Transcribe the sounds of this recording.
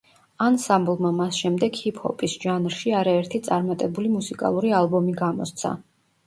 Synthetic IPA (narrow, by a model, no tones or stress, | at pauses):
ansamblˠmamasʃɛmd̪ɛɡ̥hipʰhɔ̰pʼisʒ̥anɾʃiaɾaɛɾt̪ʰit̪sʼaɾmat̪ʼɛbulimusikʼa̰lˠuɾialˠbɔmiɡamɔ̰st̪sʰa̰